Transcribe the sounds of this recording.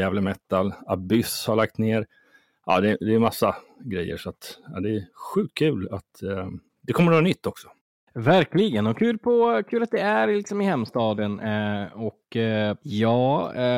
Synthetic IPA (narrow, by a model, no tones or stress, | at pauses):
jæːvləmɛt̪ːalabʏshaɭak̚t̪neːɾ | ʔɑ̰ːd̪ɛd̪ɛːmasːa | ɡɾɛjːə̰ʂɔat̪ad̪ɛæɧʉ̟ːt̪̚kʰʉ̟ːlat̪ | d̪ɛkʰɔmːəɾvɑːnʏt̪ʰːɔksɔ̥ | væɾklɪɡənɔkʰʉ̟ːlpʰɔkʰʉ̟ːlat̪̚d̪ɛæɾlɪksɔmɪhɛmːst̪ɑːd̪ənɔk | jɑː